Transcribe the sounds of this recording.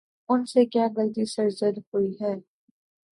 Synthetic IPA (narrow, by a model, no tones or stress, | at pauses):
ʊnsekjaːɡɐlt̪isɐɾzəd̪hoiɦɛː